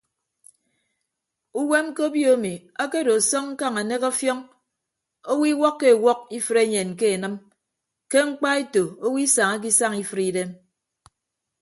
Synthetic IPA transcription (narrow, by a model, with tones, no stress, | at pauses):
u˦we˦mko˦bjo˦mi˨ | a˦ke˦do˨sɔ˦ŋŋ̩˦ka˦ŋa˨ne˦kɔ˦fjɔ˦ŋ | o˦wi˦wɔ˦kːe˦˨wɔ˦k̚i˦fɨ˨ɾe˦ɲe˨n˨ke˦e˨nɨ˦m | ke˦ŋ͡m̩˦k͡pa˦e˦to˨o˦wi˦sa˨ŋa˦k̬i˦sa˦ŋi˦fɨ˨ɾi˦de˦m